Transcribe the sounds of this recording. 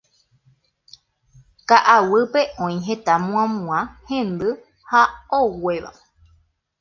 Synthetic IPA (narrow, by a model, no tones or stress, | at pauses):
kaʔawɨpe̞ʔõĩɦẽt̪amũãmũãhẽ̞nd̪ɨ | haowe̞ʋa̰